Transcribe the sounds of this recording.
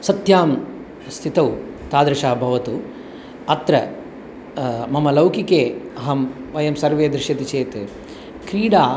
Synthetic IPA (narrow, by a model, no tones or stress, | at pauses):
sɐt̪jaːm | st̪ʰit̪ɐw | t̪aːd̪ɾɪʃɐɦɐbʱɐʋɐt̪u | ɐt̪ɾɐ | mɐmɐlɐwkikeːɐɦɐmʋɐjɐmsɐɾʋeːd̪ɾɪʃjɐt̪it͡ʃeːt̪ | kɾiːɽaː